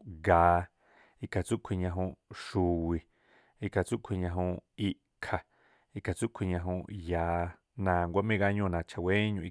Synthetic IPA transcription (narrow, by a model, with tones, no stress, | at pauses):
ɡaː˧˦ | i˧kʰa˨t͡su˦ʔkʷʰi˧ɲã˧ɦũ˧ʃu˨wi˧ | i˧kʰa˨t͡su˦ʔkʷʰi˧ɲã˧ɦũ˧i˧ʔ | kʰa˨ | i˧ʔkʰa˨t͡su˦ʔkʰʷi˧ɲã˧ɦũ˧jaː˧ | nã˧˨ŋɡʷa˧mẽ˦ɡa˧ɲõ˦˧˨nã˧˨t͡ʃʰa˧we˦ɲũ˧i˧